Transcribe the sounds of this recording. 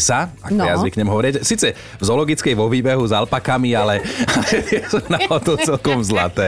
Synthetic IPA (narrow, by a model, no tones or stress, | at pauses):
saa̰kɔjazʋikɲɛmɦɔʋɔɾɪɛcsiːt͡sɛ | vzɔlɔɡit͡skɛjʋɔʋiːbɛɦuzalpakamialɛalɛjɛsɔnaɔt̪ɔʊt͡sɛlkɔmzla̰t̪ɛː